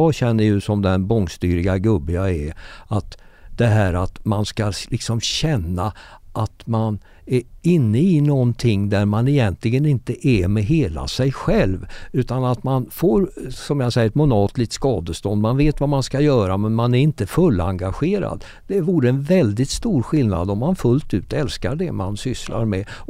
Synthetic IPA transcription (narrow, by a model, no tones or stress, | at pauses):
ɑːɕɛnːəjɵsɔmd̪ɛnbɔŋst̪yːɾɪɡaɡɵbːɪaɛat̪d̪̥ɛɦæːɾat̪manskalɪksɔmɕɛnːaʔat̪man | æɾɪnːəɪnɔnt̪ʰɪŋːd̪æɾmanɛjɛnt̪lɪɡənɪnt̪əʔæmɛɦeːla̰sɛjɧɛlvʉ̟ːt̪anat̪manfoːɾsɔmjasɛjəɾmʊnɑːt̪lit̪skɑːd̪əst̪ɔnd̪manveːt̪vamanskajœːɾamɛnmanæɾɪnt̪əfɵlːa̰ŋɡaɧeːɾa̰d̪ | d̪ɛvuːɾəɛnvɛld̪ɪt̪st̪uːɾɧɪlna̰d̪ɔmːanfɵlt̪ʉ̟ːt̪ɛlskaɖɛmansʏsla̰ɾmɛ